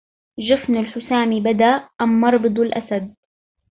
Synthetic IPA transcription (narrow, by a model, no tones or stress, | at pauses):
ʒʊfnalħʊsaːmibad̪aʔamːɑɾˤbɨd̪ˤalʔa̰sad̪̚